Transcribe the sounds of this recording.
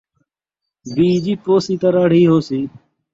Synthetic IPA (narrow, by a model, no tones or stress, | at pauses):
biːd͡ʒiːpoːsiːt̪aːɾaːɽ̤iːɦoːsiː